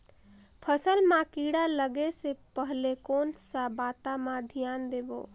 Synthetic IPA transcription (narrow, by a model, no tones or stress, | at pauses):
pʰəsəlmãkiɽaləɡesepəɦlekoːnsabat̪amãd̪ʱijaːnd̪eːbo̰ː